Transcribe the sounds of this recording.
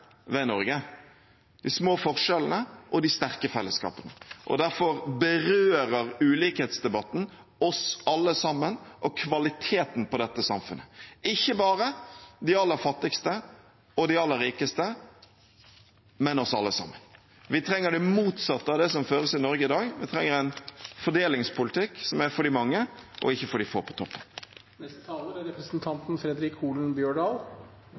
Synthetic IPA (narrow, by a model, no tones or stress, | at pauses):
ʋɛnɔɾɡə | d̪ɪsmoːfɔʁʂɛlənəʔɔd̪ɪst̪æʁkəfɛlːəskɑ̰ːpənəʔɔ̰d̪æɾfɔɾbəɾøːɾəɾʉːliːkhɛːt̪sd̪ɛbɑt̪ːn̩ | ɔsɑlːəsɑmːənʔɔkʰʋɑlɪt̪ʰeːt̪n̩pɔd̪ɛt̪ːəsɑmfʉnəɪçːəbɑːɾəd̪ɪɑlːəfɑt̪ːɪkst̪ə | ɔd̪ɪɑlːəɾiːkəst̪ə | mɛnɔsɑ̰lːəsɑ̰mːən | ʋɪt̪ʰɾɛŋːəɖɛmuːt̪sɑt̪ːəɑʋd̪ɛsɔmføːɾəsɪnɔɾɡəɪd̪ɑːɡʋɪt̪ʰɾɛŋːəɾæɪnfɔɖeːlɪŋspʰʊlɪt̪ʰɪkːsɔmæɾfɔɖɪmɑŋːəʔɔ̰ɪçːəfɔɖɪfo̰ːpʰɔ̥t̪ʰɔpːən | nɛst̪t̪ʰɑːləɾɪɾɛpɾəsnt̪ʰɑnt̪n̩fɾɛd̪ɾɪkʰuːln̩bjøːɖɑːl